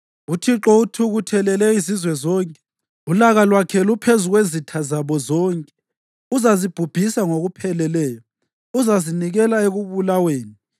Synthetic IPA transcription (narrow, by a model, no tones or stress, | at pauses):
utʰiǁɔutʰuɣutʰɛlɛlɛizizwɛzɔːŋkʼɛ̥ | ulaɣalwakʰɛlupʰezuɣwezitʰazaβɔzɔŋkʼɛ̥ | uzazib̥ʱub̥ʱisaŋoɣupʰɛlɛlɛːjɔ | uzaziniɣɛlaeɣuβulaweːni